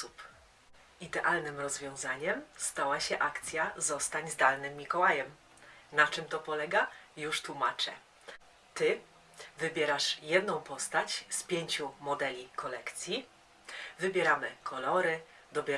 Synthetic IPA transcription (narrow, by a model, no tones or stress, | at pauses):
up | id̪ɛʔalnɘmɾɔzvʲjɔ̃w̃zaɲɛmst̪awaɕɛʔakt̪sʲjazɔst̪aɲzd̪alnɘmʲːikɔwajɛm | nat͡ʂɘmt̪ɔpɔlɛɡajuʂt̪wumat͡ʂɛ̰ | t̪ɘ | vɘbʲjɛɾaʂjɛd̪nɔ̃w̃pɔst̪at͡ɕspʲjeɲt͡ɕumɔd̪ɛlʲikʰɔlɛkt̪sʲji | vɘbʲjɛɾamɘkʰɔlɔɾɘ | d̪ɔbʲjɛ